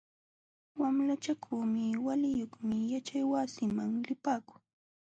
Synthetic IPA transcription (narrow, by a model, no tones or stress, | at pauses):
wamlat͡ʃakʰuːmɪwalɪjoχmɪjat͡ʃajwasɪmaŋlɪpaːkʊ̥ŋ